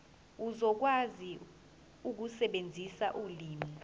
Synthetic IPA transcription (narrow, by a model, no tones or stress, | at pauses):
uzɔk̬wazi | uk̬usɛɓend͡zʱisaʔuliːmi